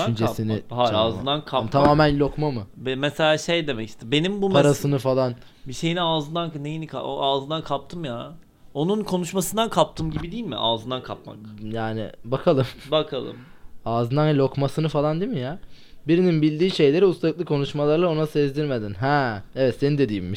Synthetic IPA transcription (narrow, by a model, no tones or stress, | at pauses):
ynd͡ʒesinihaaːzɯnd̪ankʰamt̪ʰamaːmænlʲo̞kmamɯbɛmeselʲaːʃejd̪e̞mɛci̥st̪ʰɛbe̞nimbupʰaɾasɯnɯfalˠan | biʃe̞jiniaːzɯnd̪annejinikʰa̰aːzɯnd̪ankʰap̚t̪ʰɯmja | o̞nunkʰonuʃmasɯnd̪ankʰap̚t̪ʰɯmɟibid̪iːlʲmḭʔaːzɯnd̪ankʰapma̰kjaːnḭbakʰalˠɯmbakʰalˠɯ̰maːzɯnd̪anlʲokmasɯnɯfalˠand̪imijabiɾininbilʲd̪iːʃe̞jlʲe̞ɾiust̪ʰaklˠɯkʰo̞nuʃmalˠaɾlˠao̞nasezd̪iɾme̞d̪inɦɛevɛt̪se̞nind̪ed̪ijimːi